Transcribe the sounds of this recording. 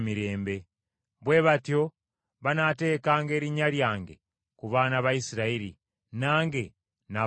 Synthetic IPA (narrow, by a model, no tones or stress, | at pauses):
miɾe̞ːmbe̞ | βwe̞ːβatjo̞ | βanate̞ːkaːŋɡe̞ːɾiɲaljaːŋɡe̞̰ | kuβaːnaβaisiɾaiɾḭ | naːŋɡe̞ | na